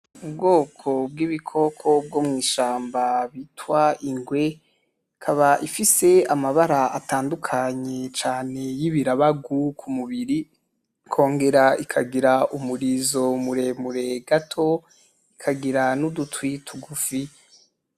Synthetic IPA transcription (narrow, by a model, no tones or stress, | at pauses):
ubɡo̞ːkʰo̞b̚ɡiβikʰo̞kʰo̞b̚ɡomŋiːʃaːmbaβitwaiŋɡwe̞ | kʰaβaʔifise̞amaβaɾaataːndukʰaɲe̞t͡ʃaːne̞jiβiɾaβaɡukʰumuβiɾi | kʰo̞ːŋɡe̞ɾaikʰaɡiɾaʔumuɾizo̞muɾe̞muɾe̞ɡatʰo̞ | ikʰaɡiɾanudutwitʰuɡufi